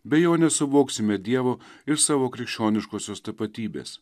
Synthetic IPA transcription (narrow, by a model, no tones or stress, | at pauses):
bʲɛjoːnʲɛsʊʋoːksʲɪmʲɛd̪ʲiɛʋoɪɾsɑːʋoːkɾʲɪkʃʲt͡ʃʲoːnʲɪʃkoːsʲoːst̪ɐpɐt̪ʲiːbʲḛːs